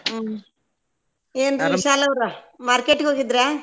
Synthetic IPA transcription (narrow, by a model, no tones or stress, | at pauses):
eːndʃaːlɐʋɾɐ | maːɾkeʈːɡeoɡid̪ɾe